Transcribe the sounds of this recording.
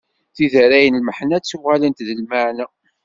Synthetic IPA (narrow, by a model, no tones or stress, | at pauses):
θiðəɾæjənlməħnæt͡sːuʁalənt̪ðəlmaʕnæ